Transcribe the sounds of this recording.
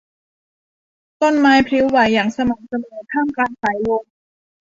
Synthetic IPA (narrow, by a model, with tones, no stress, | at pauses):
t̪o˥˩nmaː˧jpʰɾi˦˥wːaː˨˩jːaː˨˩ŋsa˧maː˩˦k̚sa˧mɯː˨˩˦k̪ʰaː˥˩mkaː˧nsaː˩˦jlo˧ŋ